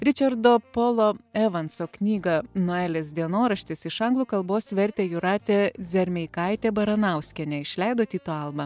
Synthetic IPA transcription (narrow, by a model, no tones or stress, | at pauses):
ɾʲɪt͡ʃʲɐɾd̪oːpoːlˠoɛʋɐnsoːknʲiːɡɐnoæːlʲeːsd̪ʲiɛnoːɾɐʃʲt̪ʲɪsɪʃɐŋɡlˠuːkɐlˠboːsʋʲɛɾʲt̪ʲeːjʊɾɑːt̪ʲezʲɛɾʲmʲɛɪkɑɪt̪ʲeːbɐɾɐnɑˑʊsʲkʲɛnʲɛɪʃʲlʲæˑɪd̪oːt̪ʲiːt̪oɐlˠbɐ